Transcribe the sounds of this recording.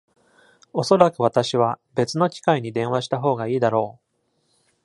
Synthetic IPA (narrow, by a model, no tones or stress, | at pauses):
o̞so̞ɾakɯ̟βat̪aɕiβabe̞t͡sɨno̞kʲi̥kaiɲ̟id̪ẽ̞ɰ̃aɕi̥t̪aɦo̞ːɡaiːd̪aɾo̞ː